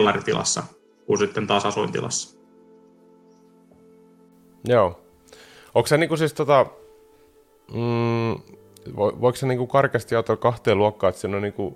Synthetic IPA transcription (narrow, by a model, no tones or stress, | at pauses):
lːɑɾit̪ilɑ̰sːɑ̰ | kunsit̪ːent̪ɑːsɑsuint̪ḭlʔɑ̰sːɑ̥ | joː | okseniːkusist̪ot̪ɑ | o̰ʋoikseniːŋkukɑrkɑst̪iɑut̪ːokɑht̪eːluɑkːɑːet̪siːnoniːŋku